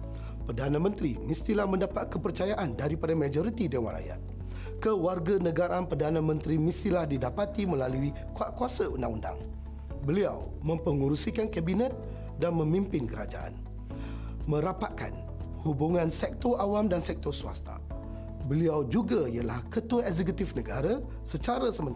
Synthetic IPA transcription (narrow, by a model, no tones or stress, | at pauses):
pərdanãmə̃nt̪ɾimist̪ilahmə̃ndapat̪̚kəpərt͡ʃajaʔandaɾipadamãd͡ʒɔɾit̪idewa̰la̰ja̰t̪̚ | kəwarɡanə̃ɡaɾanpərdanãmə̃nt̪ɾimist̪ilahdidapat̪imə̃lalui | kuaʔkuasaundaŋunda̰ŋ | bəlia̰w | mə̃mpəŋuɾusikankabinɛ̃t̪̚ | danmə̃mimpɪnkəɾa̰d͡ʒa̰ʔa̰n | mə̃ɾapat̪̚ka̰n | hubuŋãnsɛk̚t̪ɔʔawamdansɛk̚t̪ɔsua̰st̪a̰ | bəliawd͡ʒuɡaijəlahkət̪uəɛzɛk̬ut̪ifnəɡaɾa | sət͡ʃaɾasəmə̃n